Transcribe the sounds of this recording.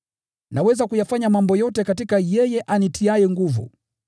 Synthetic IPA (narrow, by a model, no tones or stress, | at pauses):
nawɛzakujafaɲamambɔjɔtɛkatikajɛjɛʔanitʰiajɛŋɡuvṵ